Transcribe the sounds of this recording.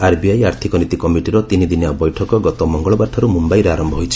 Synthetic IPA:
aɾbiajaɾt̪ʰikɔnit̪ikɔmiʈiɾɔt̪inid̪injabɔjʈʰɔkɔɡɔt̪ɔmɔŋɡɔɭɔbaʈʰːɔɾumumbajɾeaɾɔmbʱɔɦojt͡ʃʰi̥

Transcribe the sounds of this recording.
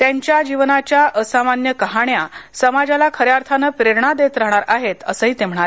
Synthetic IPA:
t̪jaɲt͡ɕjad͡ʑiʋnat͡ɕjaʔəsamanjəkəɦaɳjasəmad͡ʑalakʰəɾjaɾt̪ʰanəpɾeɾɳad̪et̪ɾəɦɽ̃aɾaɦet̪əsəɦiːt̪em̤əɳ̃aɾe

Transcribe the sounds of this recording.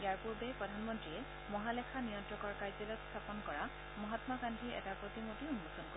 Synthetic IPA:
ijaɹpuɹbepɹɔd̪ʱanmɔntɹiɛ | mɔɦalekʰanijɔntɹɔkɔɹkajzɔlɔst̪ʰapɔnkɔɹa | mɔɦat̪makandʰʱiɛ̰tapɹot̪imotiunːɔsɔnko

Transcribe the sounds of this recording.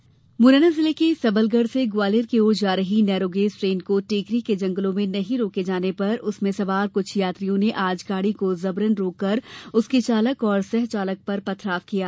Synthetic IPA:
mʊɾəːnazɪlekesɐbəlɡəɽseɡwaːlɪɾkeoːd͡ʒaːɾɐɦinɛːɾoːɡeːzʈɾeːnkoʈeːkɾiked͡ʒɐ̃ŋɡəlõmẽnɐɦĩɾoːked͡ʒaːnepɐɾʊsmẽsɐʋaːɾkʊt͡ʃʰjaːt̪ɾijõneʔaːd͡ʒɡaːɽikozɐbɾənɾoːkːɐɾʊsket͡ʃaːləkɔːɾsɛɦt͡ʃaːlək̚pɐɾpɐt̪ʰɾaːfkijaː

